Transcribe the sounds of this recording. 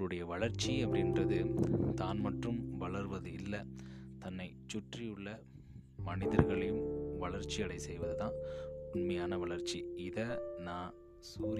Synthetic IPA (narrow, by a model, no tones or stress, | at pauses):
ɾɯɽɐjɐʋɐɭɐɾt͡ʃːiɐpːɐɽɪnrɐðɯt̪aːnmɐʈrɯmʋɐɭɐɾʋɐðɯɪlːɐ | t̪ɐnːɐɪt͡ʃːʊʈrɪjɯɭːɐ | mɐnɪðɐɾɣɐɭɐjɯmʋɐɭɐɾt͡ʃiɐɽɐɪsɛjʋɐðɯðãːʊnmɐjaːnɐʋɐɭɐɾt͡ʃiɪðɐnaː | suːɾ